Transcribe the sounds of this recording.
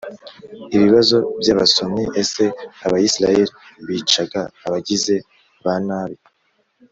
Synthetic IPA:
iβiβazo̞bjaːβaso̞mŋeʔese̞aβajisiɾajeɾiβiːt͡ʃaɡaːβaɟize̞ | βanaːβi

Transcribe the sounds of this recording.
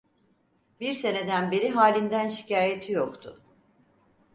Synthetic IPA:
biɾse̞ne̞d̪ænbeɾiɦaːlʲind̪ænʃicʰaːjet̪ʰijokt̪ʰʊ

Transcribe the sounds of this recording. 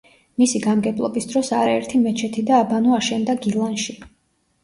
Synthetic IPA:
misiɡamɡɛblˠɔ̰bisd̪ɾɔsa̰ɾaɛɾt̪ʰimɛt͡ʃʰɛt̪ʰid̪aːbanuaʃɛnd̪aɡilˠanʃi

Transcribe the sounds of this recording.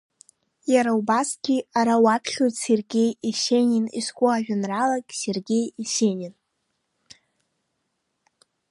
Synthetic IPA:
jaɾaubasɡʲiaɾawapʰɬʲotse̞rɡʲe̞jiʃeninḭskʷʼʊaʒᶣʊnralakʲʼserɡʲe̞jiʃenʲin

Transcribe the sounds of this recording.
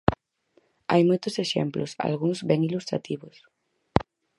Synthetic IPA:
a̰jmojt̪ʊseʃɛ̰mplosa̰lɣuŋzbɛŋilust̪ɾa̰t̪iβʊs

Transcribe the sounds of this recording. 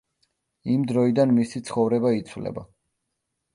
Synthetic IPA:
imd̪ɾɔid̪anmisit̪sʰχɔvɾɛbait̪sʰvlɛ̰ba

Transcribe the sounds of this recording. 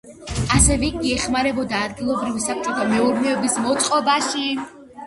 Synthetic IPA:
asɛvɛɡiɛχmaɾɛbɔd̪aːd̪̚ɡilˠɔbɾivisap̚t͡ʃʼɔt̪ʰamɛuɾnɛɔbismɔt̪sʼqʼɔbaʃi

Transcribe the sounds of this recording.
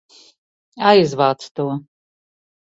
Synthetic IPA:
ajzvaːt̪st̪uɔ

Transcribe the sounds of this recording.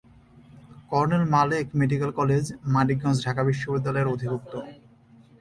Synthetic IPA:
kɔɾnelmaleɛkmeɖikalkɔled͡ʑmaʈiɡɔ̃nsɖʱakabiʃːobid̪ːalɔeɾod̪ʱibuk̚t̪o

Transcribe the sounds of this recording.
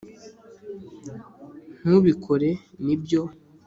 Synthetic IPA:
m̥uβikʰoɾenibjo

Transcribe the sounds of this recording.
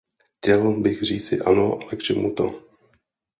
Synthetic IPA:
xcɛlbɪɣr̝iːt͡sɪʔa̰noʔalɛkt͡ʃɛmut̪o̰

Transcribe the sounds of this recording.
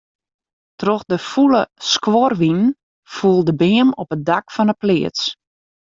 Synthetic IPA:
troxdəfuləskwɔrʋinn̩ | fuəlˠdəbɪːəmɔpədakfɔnəplɪəs

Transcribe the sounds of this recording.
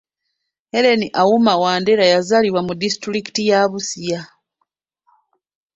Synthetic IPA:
eɾe̞niʔawumawaːndeɾajazaliβwamudisi̥tɾiki̥tijaːβusija

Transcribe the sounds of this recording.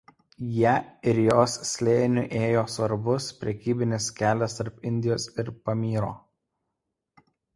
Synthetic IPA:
jæɪɾjoːsːʲlʲeːnʲʊʔeːjoːsʋɐɾbʊspʲɾʲɛkʲiːbʲɪnʲɪskʲæːlʲɛst̪ɐɾpɪnʲd̪ʲɪjoːsɪɾpɐmʲiːɾo̰ː

